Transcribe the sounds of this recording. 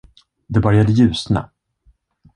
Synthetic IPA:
d̪ɛbœɾjad̪əjʉ̟ːsna̰

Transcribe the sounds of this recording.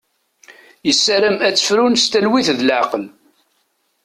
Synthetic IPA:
jəsːæɾæmæt͡sːə̥fɾunst̪ælwiθðlʕqəl

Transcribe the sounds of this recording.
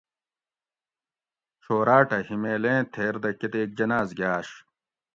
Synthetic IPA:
ɕoːɾaːʈɐhimeːlẽːt̪ʰeːɾd̪ɐket̪eːd͡ʑɐnaːzɡʲjaːɕ

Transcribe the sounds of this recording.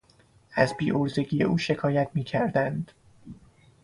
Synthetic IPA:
æzbiːʔoɾze̞ɟiːje̞̰ʔuːʃe̞kʰɒːjæt̪ʰmiːcʰæɾd̪ænd̪̥

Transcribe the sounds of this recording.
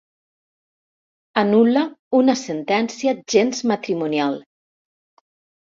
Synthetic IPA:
anulaunasent̪ɛnsiaʒenzmat̪ɾimunjal

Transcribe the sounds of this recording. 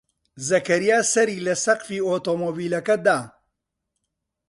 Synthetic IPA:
zɐkɐɾijaːsɐɾiːlɐsɐqfiːoːt̪oːmoːbiːlɐkɐd̪aː

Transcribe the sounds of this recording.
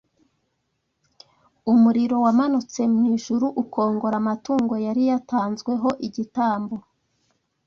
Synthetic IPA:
umuɾiɾo̞wamanut͡se̞mŋiːʒuɾuʔukʰo̞ːŋɡo̞ɾamatuːŋɡo̞jaɾijataːnzɡwe̞ɦo̞ʔiɟitaːmbo

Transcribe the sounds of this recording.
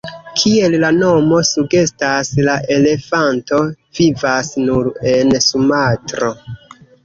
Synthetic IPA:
kʰie̞llano̞mo̞suɡe̞staslaʔe̞le̞fanto̞ | vivasnuɾe̞nsumatɾo̞

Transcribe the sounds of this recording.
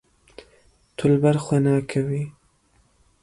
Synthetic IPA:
t̪ʰʊlbaɾxwenɑːkʰawi

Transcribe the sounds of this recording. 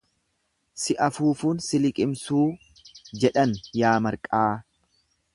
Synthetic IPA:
sɪʔɐfuːfuːnsɪlɪkʼɪmsuː | d͡ʒɛᶑɐnjaːmɐɾkʼaː

